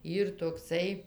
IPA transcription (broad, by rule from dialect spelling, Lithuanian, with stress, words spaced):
ˈiːr toːkˈsɐɪ